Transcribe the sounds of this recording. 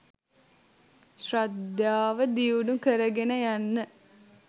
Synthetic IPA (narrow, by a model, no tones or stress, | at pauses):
ʃrad̪jaːʋəd̪iuɖukəɾəɡenəjanːə